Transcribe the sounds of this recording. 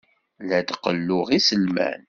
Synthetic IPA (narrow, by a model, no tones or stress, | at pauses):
læd̪qəlːʊʁisəlmæ̰n